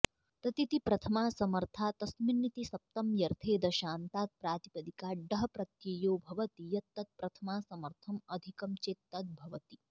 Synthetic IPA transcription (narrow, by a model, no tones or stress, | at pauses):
t̪ɐt̪it̪ipɾɐt̪ʰɐmaːsɐmɐɾt̪ʰaːt̪ɐsminːit̪isɐp̚t̪ɐmjɐɾt̪ʰeːd̪ɐʃaːnt̪aːt̪̚pɾaːt̪ipɐd̪ikaːɖɐɦɐpɾɐt̪jeːjoːbʱɐʋɐt̪ijɐt̪ːɐt̪̚pɾɐt̪ʰɐmaːsɐmɐɾt̪ʰɐmɐd̪ʱikɐmt͡ʃeːt̪ːɐt̪̚bʱɐʋɐt̪i